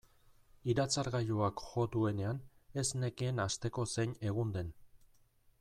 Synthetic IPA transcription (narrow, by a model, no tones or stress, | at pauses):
iɾat͡saɾɣaʎuakʝo̞d̪ue̞ne̞ane̞sne̞kie̞nast̪e̞ko̞se̞ɲe̞ɣ̞und̪e̞n